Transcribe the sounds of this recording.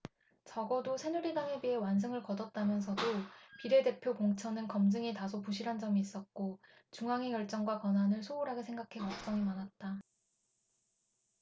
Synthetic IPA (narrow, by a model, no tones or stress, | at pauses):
t͡ɕʌɡʌdosʰe̞nuɾidaŋe̞biɦe̞wans̬ʰɯŋɯɭkʌdʌt̚t͈amjʌns̬ʰʌdopiɾe̞de̞pʰjokoŋt͡ɕʰʌnɯnkʌmd͡ʑɯŋitasʰopuɕʰiɾɦand͡ʑʌmiːs͈ʌt̚k͈o | t͡ɕuŋɦaŋekjʌɭt͡ɕ͈ʌŋɡwakwʌnɦanɯɭsʰouɾɦaɡesʰe̞ŋɡakʰe̞kʌk̚t͡ɕ͈ʌŋimanat̚t͈a